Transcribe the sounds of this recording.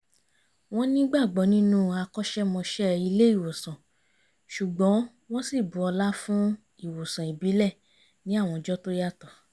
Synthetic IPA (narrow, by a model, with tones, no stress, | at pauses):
w̃ɔ̃˦nĩ˦ɡ͡ba˦˨ɡ͡bɔ˨˦nĩ˦nũ˦a˧kɔ˦ʃɛ˦mɔ̃˧ʃɛ˦i˧le˦i˦˨wo˨sã˨ | ʃu˨ɡ͡bɔ̃˨˦ | w̃ɔ̃˦si˦˨bu˨ɔ˧la˦fũ˦ | i˦˨wo˨sã˨i˨bi˨˦lɛ˦˨ | nĩ˨˦a˦˨w̃ɔ̃˧d͡ʒɔ˦to˦ja˦˨tɔ˨